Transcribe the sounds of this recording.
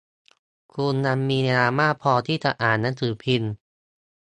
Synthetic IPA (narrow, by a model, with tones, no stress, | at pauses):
kʰu˧nːa˧mːiː˧n˧aː˧maː˥˩pʰɔː˧t̪ʰiː˥˩t͡ɕa˨˩ʔaː˨˩nːa˦˥nt̪ʰɯː˩˦pʰi˧n